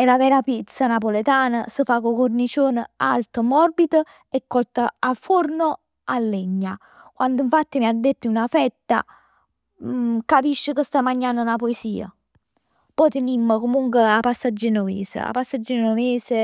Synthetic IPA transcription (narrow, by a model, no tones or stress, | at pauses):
ɛlavɛːɾapit̪sːanapolet̪aːnasəfakokornit͡ʃoːna̰lt̪əmɔrbit̪ə | ɛkːɔlt̪aafːorno | alːɛɲːa | kwand̪ʊiɱfat̪ːimiad̪ːet̪ːiunafɛt̪ːa̰ | kapiʃːəkəst̪amːaɲːanːd̪unapoesiːa̰ | pɔjt̪ɪnimːəkomuŋkweapːasːad͡ʒːinomḛːsə̰a̰pːasːad͡ʒːinnomeːsɪ